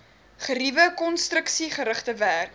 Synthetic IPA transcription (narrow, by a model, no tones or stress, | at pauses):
χəɾivəkɔnstrəksiχəɾəχtəværk